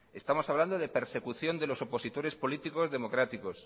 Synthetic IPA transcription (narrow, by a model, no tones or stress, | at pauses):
e̞st̪amo̞saβland̪o̞ðe̞pe̞ɾse̞kuθjo̞nd̪e̞lo̞so̞po̞sit̪o̞ɾe̞spo̞lit̪iko̞zðe̞mo̞kɾat̪ikos